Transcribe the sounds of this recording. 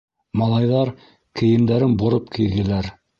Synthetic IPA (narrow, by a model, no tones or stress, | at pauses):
mɑlˠɑjðɑɾ | kʰɘ̆jɘ̆md̪æɾɘnbŏɾɤp̚kʰilɡɘ̆læɾ